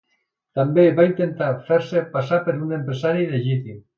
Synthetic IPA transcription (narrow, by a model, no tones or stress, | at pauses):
t̪ambeβaint̪ent̪afeɾsepasapeɾunempɾesaɾiðeʒit̪im